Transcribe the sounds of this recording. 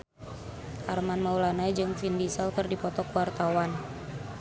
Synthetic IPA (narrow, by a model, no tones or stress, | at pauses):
ʔarmanmaulanajd͡ʒɨŋfindisalkərdipɔt̪ɔkuwart̪awan